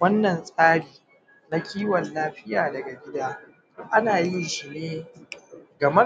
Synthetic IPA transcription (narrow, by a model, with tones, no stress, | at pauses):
wɐ˦nːɐ˨nsʼaː˦ɽiː˨ | na˦kʲiː˦wɐ˨nlaː˦ɸɪ˦jaː˨dɐ˨ɡa˨ɡʲɪ˦daː˦ | ʔa˦naː˨jɪ˦nʃi˨neː˦ | ɡɐ˨mɐ˦